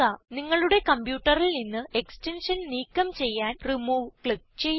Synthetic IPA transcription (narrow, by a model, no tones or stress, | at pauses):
ɐniŋːɐɭuɽe̞kɐmbjuːʈːɐrilninːɨe̞kste̞nʂɐnniːkːɐmt͡ɕe̞jːaːnrimuːʋkɭik̚t͡ɕejː